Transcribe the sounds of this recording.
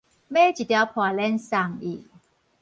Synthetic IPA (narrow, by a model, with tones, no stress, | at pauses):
meː˥˩˨t͡ɕi˨˩t̪i˧wpʰɔː˨˩le˥˨nsa˨˩ŋiː˨˩k̚